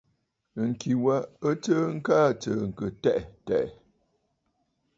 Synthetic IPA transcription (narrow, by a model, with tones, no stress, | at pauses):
ŋ̩˨ki˨wa˦ə˦tə˦ŋ̩˦kaː˦˨t͡sə˨ŋ̩˨kə˨tɛ˦ʔtɛ̰˨ʔ